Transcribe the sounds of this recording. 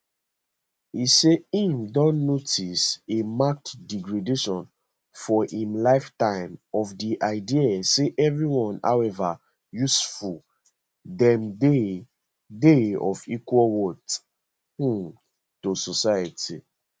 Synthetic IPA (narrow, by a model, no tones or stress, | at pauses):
iseĩmdɔ̃nːotʰisemak̚tdiɡɹedeʃɔ̃n | fɔʔĩmlaɪftãɪ̃mɔfdiʔaɪdiaseʔɛvɹiwɔ̃na̰wɛva | jusful | dɛ̃mde | deɔ̰fikwɔlwɔt | hũ | tososajatḭ